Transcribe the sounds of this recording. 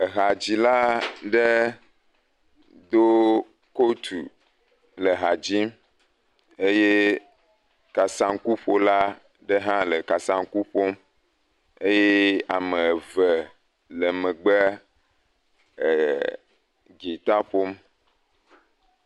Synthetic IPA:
ə˨ɦa˨d͡ʑi˦la˦ɖə˦ | d̪o˦ | ko˦t̪ṵ˨ | lə˨ɦa˨d͡ʑi˦m | e˦je˦ | ka˨sã˦ŋku˦ɸo˦la˦ | ɖə˦ɦã˦lə˨ka˨sã˦ŋku˦ɸo˦m | e˦je˦a˨mə̃˨və˨ | lə˨mə̃˨ɡ͡bə˦˨ | ɡi˨t̪a˦ɸo˦m

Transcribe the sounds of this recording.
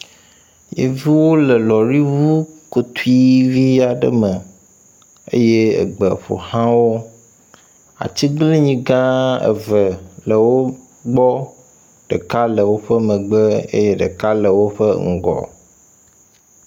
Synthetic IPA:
jḛ˨vi˦wo˦lə˨lɔ˨ɾi˦vu˦ko˨t̪u˦i˦vi˦a˨ɖə̰˦mə˨ | ḛ˦je˦ə̰˨ɡ͡bə˨ɸo̰˨hã˦wo˦ | a̰˨t͡ɕi˦ɡli˦ɲĩ˦ɡã˦ə̰˨və˨lə˨wo˦ | ɡ͡bɔ˦ | ɖ̥ə˨ka˦lə˨wo˦ɸə˦mə̃˨ɡ͡bə˦ḛ˦je˦ɖə˨ka˦lə˨wo˦ɸə˦ŋ̩˨ɡɔ̰˨

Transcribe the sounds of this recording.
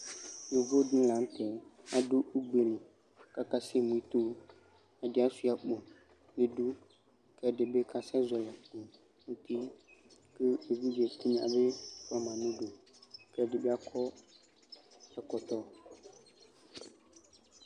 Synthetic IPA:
nũ˨vo˦ɖĩ˦lã˨˦ŋ˦t̪ɛ˨a˨ɖo˦u˦ɡ͡be˨nũ˨ | ka˦ka˦se˦mũ˨i˦t̪o˦ | a˨ɖe˨˦a˦su˨˦˨a˨k͡po˨ | nẽ˨ɖu˦ | kɛ˦ɖɪ˨be˦ka˨sɛ̃˦zɔ˨la˨k͡po˨ | ŋũ˦t̪i˦ke˦e˨vi˦d͡ʒe˨t̪i˦ɲ˨ã̰˨be˦fɔ˦mã˨nũ˦ɖo˨kɛ˦ɖe˨be˦a˦kʰɔ˦ | ɛ˨kɔ˨t̪ɔ˦

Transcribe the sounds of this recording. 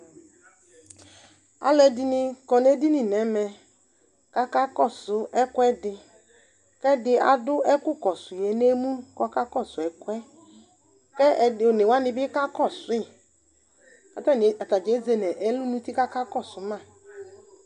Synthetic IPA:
a̰˦lɛ˨dɪ˨nɪ˧kɔ˨n˦e˦di˦nɪ˨nɛ˨˦mɛ˨ | ka˦ka˦kɔ˦˨sʊ˨˦ɛ˦kwɛ˦dɪ˨ | kɛ˦dɪ˦a̰˨dʊ˦ʔɛ˦kʊ˦kɔ˨sʊ˨je˨˦ne˦mũ˦kɔ˨˦ka˦kɔ˦˨sʊ˨ɛ˨kwɛ˦ | kɛ˦˨nɪ˨wa˦nɪ̃˨bɪ˦ka˦kɔ˦˨sʊ˨ɪ˦˨ | ka˨ta˦˨a˨ta˨d͡ʒe˨˦ze˦nɛ˨ʔɛ˨˦lu˦nũ˦ti˦ka˦ka˦kɔ˦˨sʊ˨mã˦˨

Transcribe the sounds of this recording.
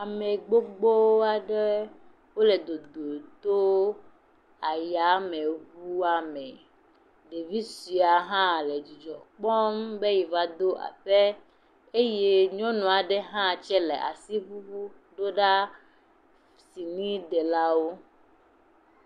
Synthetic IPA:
a˨me˨ɡ͡bo˦ɡ͡bo˦wa˨ɖɛ˦ | wo˦le˨d̪o˨d̪o˨d̪o˦ | a˨ja˨˦mẽ˨βu˦a˦mɛ˨ | ɖe˨vi˦si˨a˨ɦã˦le˨d͡ʒi˨d͡ʒɔ˨k͡pɔ˦mbe˦ji˨va˦d̪o˦ʔa̰˨ɸe˦ | e˦je˦ɲɔ̃˦nũ˨a˨ɖɛ˦ɦã˦˨t͡ʃɛ˦le˨ʔa̰˨si˦βu˦βu˦ | ɖo˦ɖa˦ | si˨nĩ˦d̪ɛ˨la˦wo˦

